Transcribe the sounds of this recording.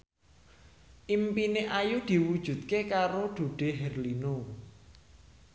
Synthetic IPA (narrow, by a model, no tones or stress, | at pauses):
ʔimpineʔajud̪̥i̤wud̥ʒ̥ṳt̪̚kekaɾoɖ̪̥ṳɖ̥e̤ɦɛrlino